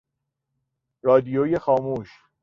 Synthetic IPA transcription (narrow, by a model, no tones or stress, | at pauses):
ɾɒːd̪ijojexɒːmuːʃ